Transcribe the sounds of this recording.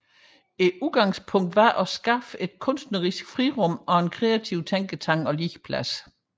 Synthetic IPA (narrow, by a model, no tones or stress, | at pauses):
e̝uðˠɡ̥ɑ̈ŋspʰɔ̽ŋ̰d̥ʋɑ̈ʔɒ̽sɡ̥ɑ̈fəe̝d̥kʰɔ̽n̰sd̥nəʁisɡ̥fʁiʁɔ̽mɒ̽e̝nkʰʁɛæt͡sʰiʊt͡sʰeŋ̰ɡ̥ət͡sʰɑ̈ŋ̰ɒ̽li̥pʰlæs